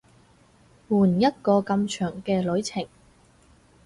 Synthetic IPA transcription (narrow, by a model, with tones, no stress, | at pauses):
wuː˨˩njɐ˥t̚kɔː˧kɐ˧mt͡ʃʰœː˨˩ŋkɛː˧lɵ˨˥ɥt͡sʰɪ˨˩ŋ